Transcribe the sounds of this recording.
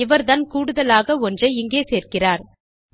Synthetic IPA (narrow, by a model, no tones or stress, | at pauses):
ɪʋɐɾðɐnkuːɽɯðɐlaːɣɐɔndrɐɪŋɡeːseːrkɪraːɾ